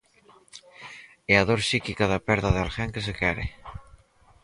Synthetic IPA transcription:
eaðoɾsikikaðapɛɾðaðalxɛŋkes̬ekɛɾɪ̰

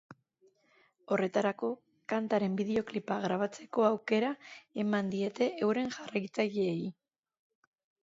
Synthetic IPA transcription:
o̞re̞t̪aɾako̞ | kant̪aɾe̞mbiðeo̞klipaɣɾaβ̞at͡se̞ko̞awke̞ɾae̞mand̪ie̞t̪e̞ʔewɾe̞ŋʝarajt͡sajeːi

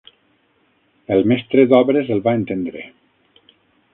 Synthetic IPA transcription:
elˠmɛst̪ɾed̪ɔbɾezelˠbaent̪end̪ɾḛ

